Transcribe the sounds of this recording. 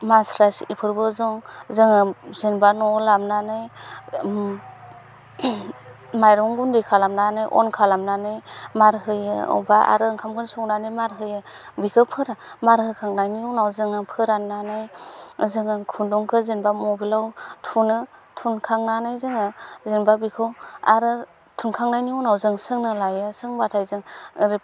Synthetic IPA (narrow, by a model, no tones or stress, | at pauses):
masɾasipʰɯɾbɯzɔŋzɯŋɯzenbanɔlamnanɯj | majɾɔŋɡundekʰalamnanɯjʔɔ̰nkʰalamnanɯjmaɾɦɯjɯɔ̰baʔa̰ɾɯŋkʰamkʰɯnsuŋnanɯjmaɾɦɯjɯ | bikʰɯpʰɯɾamaɾhɯkʰaŋnajniɔnawzɯŋɯpʰɯɾananɯjzɯŋɯkʰundɔŋkʰɯzenbamɔbilawtʰunɯtʰunkʰaŋnanajzɯŋɯzenbabikʰɯwa̰ɾɯ | tʰunkʰaŋnajniɔnawzɯŋsɯŋnɯlajɯsɯŋbatʰajzɯŋɾi